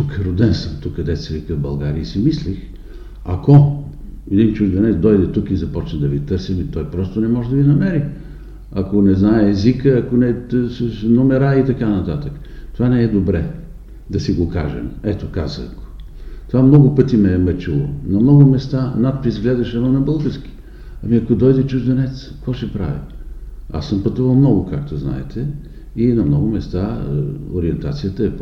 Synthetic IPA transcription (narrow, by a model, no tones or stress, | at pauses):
t̪ukɾod̪ɛnsəmt̪ukɐd̪ɛt̪sɛvikəvbɐlˠɡaɾiəsimislix | ɐko | ɛd̪int͡ʃud̪vɛnɛd̪ɔjd̪ɛt̪ukizɐpɔt͡ʃnəd̪ɐvit̪ɤɾsimit̪ɔjpɾɔst̪onɛmɔʒɛd̪ɐvinɐmɛɾi | ɐkonɛznaɛːzikəɐkonɛsnomɛɾait̪ɐkanɐt̪at̪ək | t̪ovanɛɛd̪obɾɛ | d̪ɐsiɡoka̰ʒɛ̰mɛt̪okazə̰ko̥ | t̪ovamnɔɡʊpət̪imɛmɛt͡ʃɛlˠonɐmnɔɡʊmɛst̪anat̪̚pɾizɡlɛd̪ɐʃɛmɐnɐbɤlˠɡəɾski̥ | ɐmiɐkod̪ɔjd̪ɛt͡ʃuʒd̪ɛnɛt̪skvɔʃɛpɾa̰vḭ | a̰sːəmpɐt̪uvɐlˠmnɔɡokak̚t̪ozna̰ɛ̰t̪ʰɛ | inɐmnɔɡʊmɛst̪ao̰ɾiɛnt̪a̰t̪sijət̪əɛp